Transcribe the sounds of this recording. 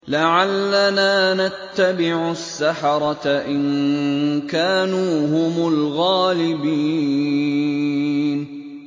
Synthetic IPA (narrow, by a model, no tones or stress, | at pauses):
laʕalːanaːnat̪ːabɪʕʊsːaħɑɾˤɑt̪aʔɪn | kaːnuːɦʊmʊlɣaːlɪbiː | n